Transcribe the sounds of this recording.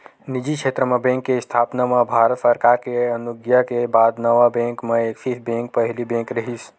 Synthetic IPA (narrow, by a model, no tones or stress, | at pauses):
nɪd͡ʒikʃʰeːt̪ɾəmẽbẽːŋkːeɪst̪ʰaːpnamãbʱaːɾət̪səɾkaːɾkeɐnʊɡjakebaːd̪nəʋabẽːŋkmẽekfisbẽŋk̚pəɦlibẽːŋkɾɐɦis